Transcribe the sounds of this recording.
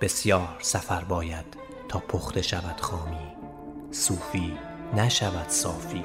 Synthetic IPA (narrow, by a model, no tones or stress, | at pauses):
b̥e̞sjɒːɾsæfæɾbɒːjæd̪̥ʰ | ɒːpʰoχt̪ʰe̞ʃævæd̪̥xɒːmiː | suːfiː | næʃævæd̪̥sɒːfiː